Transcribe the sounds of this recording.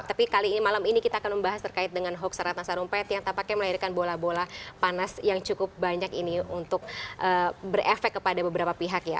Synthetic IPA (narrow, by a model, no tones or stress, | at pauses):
t̪apikaliːimalaminikit̪aːkanməmbaɦast̪ərkaɪt̪̚dəŋanɦɔk̚saɾat̪nasaɾumpat̪jaŋt̪ampakɛməlairkanbolahbolapanasjaŋt͡ʃukʊp̚baɲakiniunt̪ʊk̚ʔəːbərefɛkːəpadabəbəɾapapiɦakja̰